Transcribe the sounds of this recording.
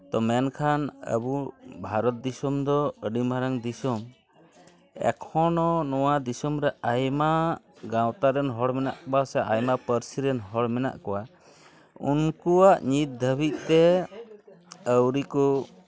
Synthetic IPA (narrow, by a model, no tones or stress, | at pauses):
t̪ɔmɛnkʰanə̰bubʱaɾɔt̪̚d̪isɔmd̪ɔəɖimbʱaɾaŋd̪isɔm | ɛ̰kʰɔnɔnɔwad̪isɔmɾɛajma | ɡãwt̪aɾɛnɦɔɽmɛna̰ʔkɔbasɛʔajmapəɾsiɾɛnɦɔɽmɛna̰ʔkɔwa | ṵnkuaʔɲit̪̚d̪ʱəbit̪̚t̪ɛ | əwɾiku